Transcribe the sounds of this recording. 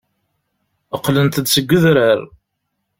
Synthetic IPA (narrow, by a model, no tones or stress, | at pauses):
əqːlənt̪əd̪səɡʷːəðɾəɾ